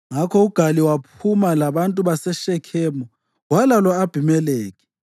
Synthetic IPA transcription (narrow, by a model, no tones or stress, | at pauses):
ŋakʰɔuɡ̥ʱaliwap̚ʰumalaβantʼuβasɛʃɛkʰeːmu | walalɔab̥ʱimɛleːk̬ʰʼi̥